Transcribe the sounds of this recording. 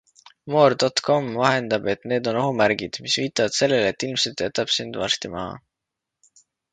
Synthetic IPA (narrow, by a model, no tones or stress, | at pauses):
moːrd̪o̞t̪kʰo̞mvɑɦe̞nd̪̥ɑb̥e̞t̪ne̞ːd̪o̞no̞ɦumæɾɡid̪̥misviːt̪ːˑɑvɑd̪̥se̞lːelet̪ːˑilmsed̪t̪ːˑeæt̪ːˑɑb̥sind̪̥vɑ̰st̪imɑ̰hɑ̰